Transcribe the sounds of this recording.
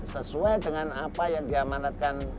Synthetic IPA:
səsuajdəŋanapajaŋdiamanat̪̚kan

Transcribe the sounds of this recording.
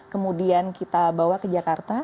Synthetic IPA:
kəmudiankit̪abawakəd͡ʒakart̪a

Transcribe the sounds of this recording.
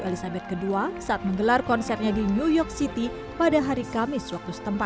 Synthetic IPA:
elisabɛt̪̚kəduasaʔat̪̚məŋɡəlarkɔnsɛrt̪̚ɲadinujɔk̚sit̪i | padaɦaɾikamɪswak̚t̪usə̥t̪əmpat̪

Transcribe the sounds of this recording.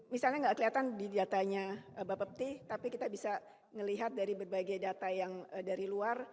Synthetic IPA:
misalɲaŋɡaʔkəliat̪andidat̪aɲaəbapəp̚t̪ɪht̪apikit̪abisa | ŋəliɦat̪̚daɾibərbaɡajdat̪ajaŋdaɾiluar

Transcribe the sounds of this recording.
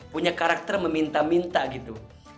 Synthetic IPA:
puɲakaɾak̚t̪ərməmint̪amint̪aɡit̪u

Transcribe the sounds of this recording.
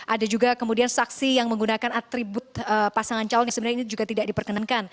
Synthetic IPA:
ʔadad͡ʒuɡakəmudiansaksijaŋməŋɡunakanat̪ɾibʊt̪̚əpasaŋant͡ʃalɔnjaŋsəbənaɾainid͡ʒuɡat̪idak̚dipərkənankan

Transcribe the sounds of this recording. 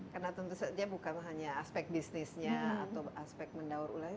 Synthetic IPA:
karnat̪ənt̪usədiabukanɦaɲaːspɛk̚t̪̚bisnisɲaːt̪aaspɛk̚t̪̚məndauɾṵla

